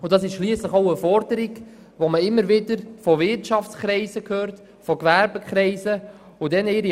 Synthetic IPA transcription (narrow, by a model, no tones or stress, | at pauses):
ʊnd̥ɑsɪʃʃliəsləχoʊəfɔɾdəɾɪɡ | voməɪmːəɾvɪdəɾfɔvɪɾtʃɑft͡skɾɛɪsəkʰhøːɾt | fɔkvæɾbəkχɾɛɪzə | ʊdɛnɪːɾi